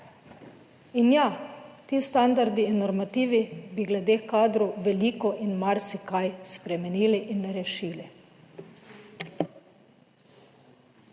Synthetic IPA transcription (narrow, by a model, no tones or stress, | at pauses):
injat̪iːst̪and̪aɾd̪iːnːɔɾmat̪iːʋibiɡlɛd̪eːkaːd̪ɾɔwʋɛlikɔʔinmaɾsikajspɾɛmɛniːliʔinːɾɛʃiːli